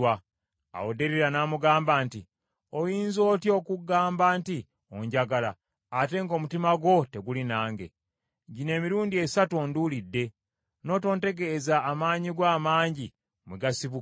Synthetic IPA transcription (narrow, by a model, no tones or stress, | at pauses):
wa | a̰wode̞ɾiɾanaːmuɡaːmbaːnti | ojiːnzo̞ːtjo̞ːkuɡaːmbaːnti | o̰ɲɟaɡala̰ː | te̞ŋɡo̞ːmutimaɡwo̞te̞ɡulinaːŋɡe̞̰ | ɟine̞ːmiɾuːndie̞satuondulidːe̞ | no̞ːto̞ːnte̞ɡezaːmaːɲiɡwaːmaːɲɟi | mweɡasiβu